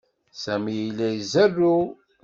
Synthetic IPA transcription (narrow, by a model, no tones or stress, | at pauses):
sæmijilːæjzærːu